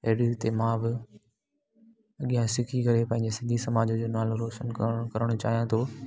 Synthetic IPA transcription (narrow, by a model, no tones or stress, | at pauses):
eːɽit̪emãːbɪ | ɐɠijãsɪkʰikɐɾepɐ̃ɦɪ̃ɲd͡ʑesɪ̃nd̪ʱisɐmaːd͡ʑod͡ʑoːnaːloɾoːʃənkkɐɾəɽ̃ʊt͡ɕa̰ːɦijãt̪ʰoː